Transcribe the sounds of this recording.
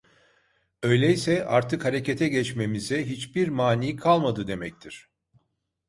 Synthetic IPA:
ø̞jlʲejisɛaɾt̪ʰɯkhaɾe̞cet̪ʰɛɟɛt͡ʃme̞mizɛɦit͡ʃbiɾmaːniːkʰalˠmad̪ɯd̪e̞mɛc̚t̪ʰiɾ̥

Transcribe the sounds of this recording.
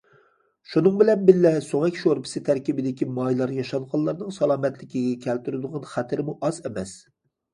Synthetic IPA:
ʃunɨŋbɪlɛnbɪlːɛsoŋɛkʲʃoɾpʰɪ̥sɪt̪ʰæɾkʲibɪd̪ɪkʲimɑjlˠɑɾjɑʃɑnqɑlˠːɑɾnɨŋsɑlˠɑːmɛt̪lɪkʲʰiɡʲɛkʲʰælt̪yɾɪd̪ʊʁɑnχæt̪ʰɪɾɪmuʔɑzɛmɛs

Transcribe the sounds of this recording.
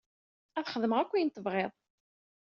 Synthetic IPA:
æθχəðəməʁækʷːijənt̪əvʁeðˤ

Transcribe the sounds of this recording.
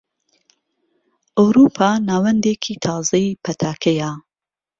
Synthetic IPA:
ʔɐwɾuːpʰaːnaːwɐnd̪eːkʰiːt̪ʰɑːzɐjipʰɐt̪ʰaːkʰɐja

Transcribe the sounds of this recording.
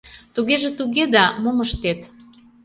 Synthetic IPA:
t̪uɣeʒĕt̪uɣed̪ɑmoməʃt̪et̪

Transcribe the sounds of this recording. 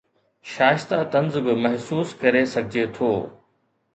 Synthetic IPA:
ʃaːɪʃt̪at̪ɐ̃nzbɪmɐɦsuːskɐɾesɐɡʱɪd͡ʑet̪ʰoː

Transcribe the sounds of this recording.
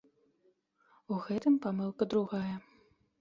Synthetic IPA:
uɣɛt̪ɨmpamɨlˠkɐd̪ɾuɣajɐ

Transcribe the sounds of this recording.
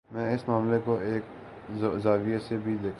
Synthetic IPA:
mɛ̃ːɪsmaːmlekoeːk | zaːʋiesebʱid̪eːkʰ

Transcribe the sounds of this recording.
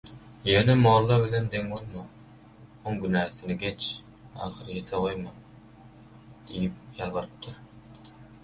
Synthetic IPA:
jøːnemoːlˠːɑbilend̪eŋbolˠmɑ | oŋɡynæːθiniɡe̞t͡ʃ | ɑ̰ːχɯɾɯjet̪ʰeʁo̞jmɑn | d̪̥ijip̚jɑlbɯɾɯp̚t̪ʰɯɾ

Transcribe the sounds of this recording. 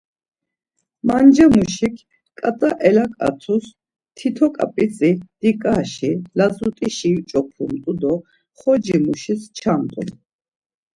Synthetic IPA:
mand͡ʒamuʃikʰ | kʼat̪ʼaʔɛlakʼa̰t̪ʰus | t̪ʰit̪ʰɔkʼa̰pʼisʼid̪̥ikʼaʃilazut̪ʼiʃit͡ʃʼɔpʰumt̪ʼud̪ɔ | χɔd͡ʒimuʃist͡ʃʰamt̪ʼṵ

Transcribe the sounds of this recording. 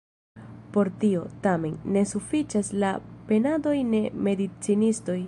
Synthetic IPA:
po̞ɾtio̞tame̞nːe̞sufit͡ʃasla̰pe̞nado̞jne̞me̞dit͡sinisto̞j

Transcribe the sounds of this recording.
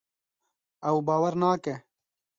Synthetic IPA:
ɐwbaːwɐɾnaːkɛ

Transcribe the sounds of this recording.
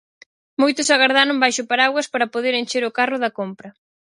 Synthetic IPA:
mojt̪ʊsaɣaɾðaɾʊŋbajʃʊpaɾaɣwɐspaɾɐpoðeɾent͡ʃeɾʊkarʊðɐkompɾɐ

